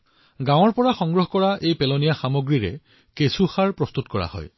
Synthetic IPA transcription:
ɡãw̃ɔɹpɔɹaxɔŋɡɹɔɦɔkɔɹaʔejpɛlonijaxamoɡɹiɹɛ̰ | kesuxaɹpɹɔst̪utkɔɹa̰hɔ̰j

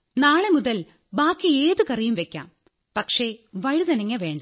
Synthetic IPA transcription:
naːɭemuðɐl | baːkːieːðɨkɐrijumʋekʲːa̰ːm | pɐkʂe̞ʋɐɻiðɐnɐŋːɐʋe̞ːɳɖɐ

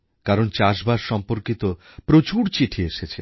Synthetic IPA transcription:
kaɾont͡ɕaʃbaɾʃɔmpoɾkit̪o | pɾot͡ɕuɾt͡ɕiʈʰieʃet͡ɕʰe

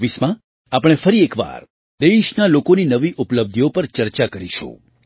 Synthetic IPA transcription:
ʋismã | apɽ̃efəɾiekʋa̰ɾ | d̪eʃnalokoninəʋiʔupləb̚d̪ʱijopəɾt͡ʃəɾt͡ʃakəɾiʃṵ̃

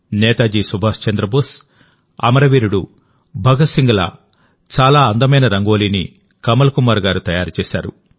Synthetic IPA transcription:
nɛːt̪aːd͡ʒiːsubʱaːst͡ʃɐnd̪ɾɐbus | ɐ̰mɐɾɐʋiːɾuɽu | bʱɐɡɐsiŋɡɐlɐ̰ | t͡ʃaːlaːɐnd̪ɐmɐjnɐɾɐŋɡo̞ːliːnḭ | kɐmɐlɐkumaːɾɡaːɾut̪ɐjaːɾut͡ʃɛːsa̰ːɾṵ

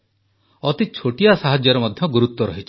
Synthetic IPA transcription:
ɔt̪it͡ʃʰoʈijasaɦad͡ʒɔɾɔmɔd̪ʱjɔɡuɾut̪wɔɾɔɦit͡ʃʰi̥

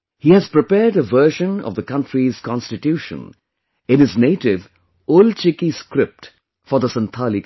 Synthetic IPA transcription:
hihæz̥pɹɪpɛːɖəvɜːʃə̃nɔ̰vd̪əkʌ̃ntɾiz̥kɔ̃nstɨʈjuʃə̰̃n | ɪ̃nɪzneɪʈɪv | olt͡ʃɪkiskɾɪp̚ʈ | fɔɾðəsə̃nt̪ʰalik

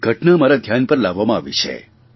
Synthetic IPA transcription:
ɡʱəʈnamaɾad̪ʱjanpəɾlaʋːamãaʋḭt͡ʃʰḛ

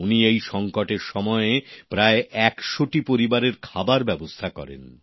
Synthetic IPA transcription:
uniejʃɔŋkoʈeɾʃɔmɔepɾaeʔɛkʃoʈipoɾibaɾeɾkʰabaɾbɛbost̪ʰakɔ̰ɾḛn

